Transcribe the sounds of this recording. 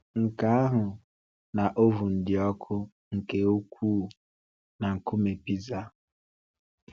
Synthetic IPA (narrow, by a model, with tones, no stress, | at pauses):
ŋ̩˨ka˦a˦ɦʊ˨ | na˨ʔo˦vu˨n̩˨dɪ˨ɔ˦kʰʊ˦ | ŋ̩˨ke˨o˦kʷuː˦˨ | na˨ŋ̩˨kʊ˦me˨pi˦za˦